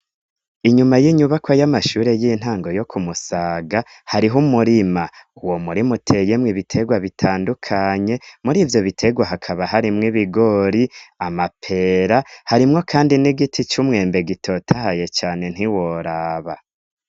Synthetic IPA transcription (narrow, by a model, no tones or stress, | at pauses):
iɲumajiɲuβakwojamaʃuːɾe̞jin̥haːŋɡo̞jo̞kʰumusaːɡa | haɾiɦumuɾimauwo̞muɾimutʰe̞jemŋiβitʰe̞ɡwaβitʰaːndukʰaɲe̞muɾiːvjo̞βitʰe̞ɡwaɦakʰaβaɦaɾimŋiβiɡo̞ɾiamapʰe̞ːɾahaɾimŋo̞kʰaːndiniɡitʰit͡ʃumŋe̞ːmbe̞ɡitʰo̞ːtʰahaje̞t͡ʃaːne̞n̥hiwo̞ɾaːβa